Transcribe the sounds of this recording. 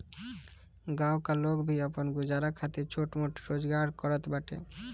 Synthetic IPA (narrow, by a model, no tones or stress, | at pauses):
ɡaokalokbʱiɔponɡud͡ʑaɾakʰat̪et͡ɕʰoʈmoʈɾod͡ʑɡaɾkɔɾat̪baʈḛ